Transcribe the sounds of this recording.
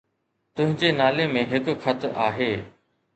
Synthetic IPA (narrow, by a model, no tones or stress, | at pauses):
t̪ʊ̃ɦɪ̃ɲd͡ʑenaːlemẽɦɪkxɐt̪aːɦeː